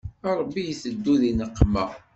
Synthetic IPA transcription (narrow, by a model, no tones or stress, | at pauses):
ɑɾˤəbːijiθəd̪ːuðinəqːmæ